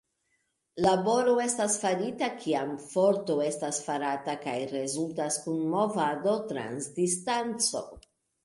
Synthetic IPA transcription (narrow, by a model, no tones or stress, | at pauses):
labo̞ɾo̞e̞stasfaɾitakʰiamfo̞ɾtoe̞stasfaɾataka̰jɾe̞zultaskunmo̞vado̞tɾa̰nsdistant͡so̞̰